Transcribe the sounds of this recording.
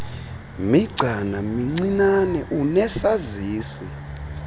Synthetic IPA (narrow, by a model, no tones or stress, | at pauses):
miɡ͡ǀʱanamiŋ͡ǀinanɛʔunɛsaziːsi